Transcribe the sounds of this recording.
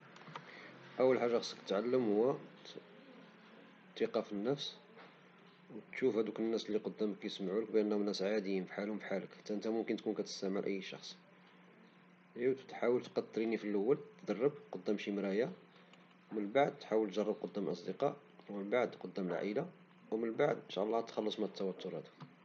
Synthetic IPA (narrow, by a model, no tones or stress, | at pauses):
ʔəwːəlħaʒːɑxsˤkət̪ʕalːəmhʊwːæ | t̪ːiqɑfənːəfs | wt̪ʃufhæd̪ukənːæslːiqod̪ːæməkːæjsmʕuləkbʔənːhnæsʕad̪əjəmfħalhʊmfħaləkt̪ːæʔənt̪æmʊmkənt̪kunkæt̪ə̥st̪æʕməlʔə̰jːʃɑ̰xsˤ | t̪ħawəlt̪qɑt̪ˤːɾinifilʔəwːælt̪ːd̪ɑrˤːəb̚qod̪ːæmʃimɾæja | wmənbaʕd̪̚t̪ħawəlt̪ʒɑrˤːəb̚qod̪ːæmlʔɑ̰sˤd̪əqɑʔ | wmənbaʕd̪qod̪ːæmlʕʔə̰la | wmənbaʕd̪ənʃæ̰ʔɑlːɑt̪xɑlːəsˤmæt̪ʰːæwæt̪ʰːoɾhæd̪uk